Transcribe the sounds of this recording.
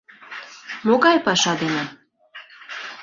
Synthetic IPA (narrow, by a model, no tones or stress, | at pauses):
moɣɑjpɑʃɑd̪ene